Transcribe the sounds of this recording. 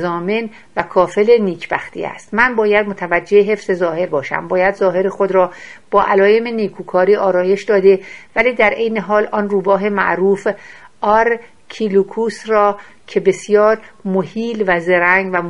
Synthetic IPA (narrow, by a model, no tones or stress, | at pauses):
zɒːmen | vækʰɒːfe̞leniːcʰb̥æxt̪ʰḭæ̰st̪mænbɒːjæd̪mot̪ʰævæd͡ʒːeeɦe̞fz̥e̞zɒːhe̞ɾbɒːʃæ̰mbɒːjæd̪zɒːɦe̞ɾexod̪ɾɒːb̥ɒːʔælɒːjemeniːkʰuːkʰɒːɾiːʔɒːɾɒːje̞ʃd̪ɒːd̪e̞væliːd̪æɾʔe̞jneɦɒːlɒːnruːbɒːɦe̞mæ̰ʔɾuːfɒːɾ | kʰilukʰuːsrɒː | cʰe̞be̞sjɒːɾmohiːlvæzeɾæŋɡvæm